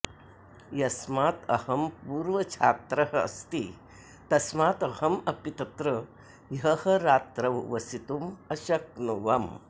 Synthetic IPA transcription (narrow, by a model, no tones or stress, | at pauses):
jɐsmaːt̪ɐ̰hɐmpuːɾʋɐt͡ʃʰaːt̪ɾɐɦɐɐ̰st̪i | t̪ɐsmaːt̪ɐhɐmɐpit̪ɐt̪ɾɐ | jɦɐhɐɾaːt̪ɾɐʋʋɐsit̪umɐʃɐk̚nuʋɐm